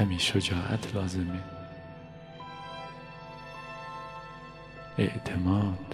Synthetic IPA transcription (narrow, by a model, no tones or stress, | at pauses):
æmiːʃod͡ʒɒːʔæ̰t̪ʰlɒːze̞me | ḛʔt̪ʰemɒːd̪